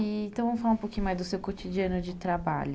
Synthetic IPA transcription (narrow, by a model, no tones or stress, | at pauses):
ɐ̃w̃vɐ̃mʊfalaũpowkĩɲʊmajzd̪ʊsewkot͡ʃid͡ʒiɐnʊd͡ʒɪt̪ɾaba̰ʎʊ